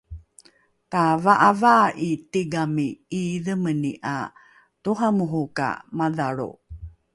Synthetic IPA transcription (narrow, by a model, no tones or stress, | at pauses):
tavaʔavaʔitiɡamiːðəməniʔa̰ | tuɦamuɦuka̰maðaɭṵ